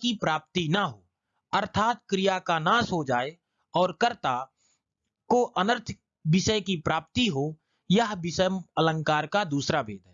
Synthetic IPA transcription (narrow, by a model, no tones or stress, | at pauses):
kipɾaːp̚t̪inəɦoː | əɾt̪ʰaːt̪̚kɾijakanaːsɦod͡ʒaːe | ɔːɾkəɾt̪a | koʔənəɾt̪ʰ | bɪʃəjkipɾaːp̚t̪iɦo | jəɦbɪsəələ̃ŋkaːɾkad̪uːsɾabʱḛːd̪ɦɛː